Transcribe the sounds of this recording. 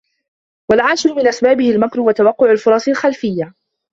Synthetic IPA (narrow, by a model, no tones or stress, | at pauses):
walʕaːʃɪɾʊmɪnʔasbaːbɪhɪlmakɾʊwat̪awɑqːʊʕalfʊɾˤɑːsˤɪlxalfɪjːa